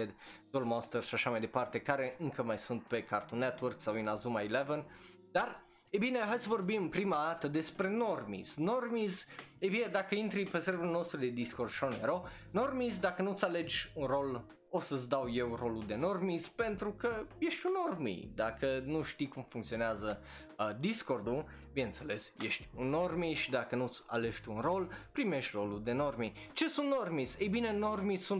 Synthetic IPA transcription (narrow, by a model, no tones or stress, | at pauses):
ed̪d̪olmost̪erʃaʃamajd̪e̞part̪e̞kaɾe̞ʔɨŋkəmajsunt̪̚pe̞kart̪unet̪wərksawinazumailevən | d̪ar | ebineɦajsəvo̞rbimɨnpɾimad̪at̪əd̪e̞spɾe̞normḭsno̞rmizebine̞d̪akəint̪ɾipeseɾbulnost̪ɾud̪ed̪iskorsʃoneɾono̞rmizd̪akənut̪sale̞d͡ʒʲunro̞l | osət̪sd̪awje̞wro̞lud̪e̞no̞rmispe̞nt̪ɾukəje̞ʃt̪ʲuno̞rmḭd̪akənuʃt̪ikumfuŋkt̪sio̞neazə | d̪isko̞rd̪u | binent̪sele̞sjeʃt̪ʲunːo̞rmiʃid̪akənut̪sʲa̰le̞ʃt̪uunro̞lpɾimeʃt̪ʲro̞lud̪e̞no̞rmi | t͡ʃe̞sunt̪normisejbine̞no̞rmisunt̪